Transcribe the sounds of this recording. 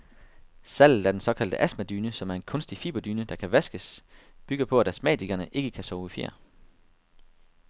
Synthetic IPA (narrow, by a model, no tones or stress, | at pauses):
sæl̰̩ˠæɐd̥ensɒ̽kʰæld̥əʔæsmæd̥yːnəsɒ̽mæɐe̝nkʰɔ̽nsd̥ifḭːb̥ɐd̥yːnəd̥ɑ̈kʰæʋæsɡ̥əsb̥yɡ̥əpʰɒ̽æɾ̥æsmɛ̰ːd̥ʰiɡ̥ɐnəʔe̝ɡ̥əkʰæsɒʊifjḛɐ̰